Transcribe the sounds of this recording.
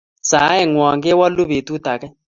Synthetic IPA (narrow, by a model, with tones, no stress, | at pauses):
t͡sa˨˦ɛ˦˨ŋwɔ˨ŋɡɛ˦wa˦lu˦βe˨tu˦ta˨kɛ˦